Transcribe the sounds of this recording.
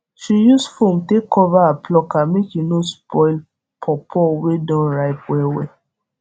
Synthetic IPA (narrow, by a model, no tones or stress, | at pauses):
ʃijusfomtekɔvaaplɔkamẽkinõspʰɔil | pʰɔpʰɔwedɔ̃ɹaɪpwɛwɛ